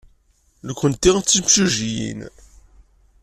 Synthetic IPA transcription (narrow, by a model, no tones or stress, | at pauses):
ləkʷːənt̪ːiʁt͡sːimʃuʒijḭn